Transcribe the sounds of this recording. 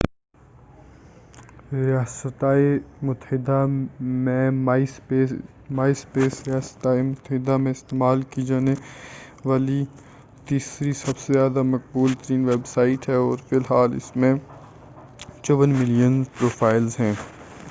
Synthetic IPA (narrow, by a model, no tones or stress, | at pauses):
ɾɪjaːsət̪aːemʊt̪əɦɪd̪amẽmaispe | maːispeːsɾijaːsə̥t̪aːemʊt̪əɦɪd̪amẽɪst̪eːmaːlkid͡ʒaːne | ʋaːli | t̪iːsɾisɐbsezjaːd̪amɐq̚buːlt̪əɾiːnʋeːbsaːɪʈɦɛɔːɾfɪlɦaːlɪ̰smẽ | t͡ʃoʋənmɪlijənzpɾoːfʰaːɪlzɦɛ̃ː